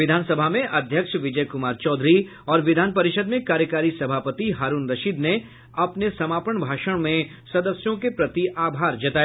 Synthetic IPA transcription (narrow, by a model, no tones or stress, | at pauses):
ʋɪd̪ʱaːnsɐbʱamẽʔɐd̪ʱjəkʃʋɪd͡ʒəjkʊmaːɾt͡ʃɔːd̪ʱɾi | ɔːɾʋɪd̪ʱaːnpɐɾɪʃəd̪mẽkaːɾjəkaːɾisɐbʱaːpət̪iɦaːɾuːnɾɐʃiːd̪ne | ɐpnesɐmaːpəɳ̃bʱaːʃəɽ̃mẽ | sɐd̪əsjõkepɾɐt̪iʔaːbʱaːɾd͡ʒɐt̪aːj